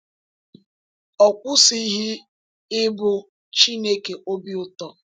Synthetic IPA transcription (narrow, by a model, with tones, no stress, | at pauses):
ɔ˨kʷʊ˦si˦ɦi˦ | ɪ˦bʊ˦ | t͡ʃi˦ne˦ke˨ʔo˦bi˦ʊ˦tɔ˨